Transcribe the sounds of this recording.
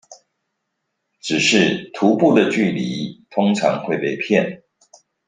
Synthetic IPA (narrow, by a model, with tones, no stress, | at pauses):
ʈ͡ʂɻ̩˨˩ʂɻ̩˥˩t̪ʰu˨˧˥pu˥˨d̪ə˨t͡ɕy˥˩li˧˥˦t̪ʰʊ˥ŋʈ͡ʂʰɑ̰˧˥ŋxwe˥˧ɪpe˥˩ɪpʰjɛ˥˨n